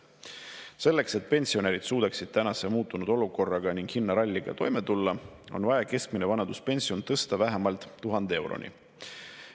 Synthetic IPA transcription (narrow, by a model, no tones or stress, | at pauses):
se̞lːe̞kset̪̚pe̞nʲsio̞neɾid̪̥suːd̪̥ɑksid̪̥̚t̪ænɑse̞muːt̪ːˑunud̪̥o̞luko̞rːɑɡ̥ɑniŋɡ̥hinːɑɾɑlʲːiɡ̥ɑ̰t̪o̞jme̞t̪ulːɑo̞̰nvɑjɑke̞skminevɑnɑd̪̥uspe̞nʲsio̞nt̪ɤ̞st̪ɑvæɦemɑlt̪ˑːuɦɑnd̪̥ee̞wɾo̞̰nḭ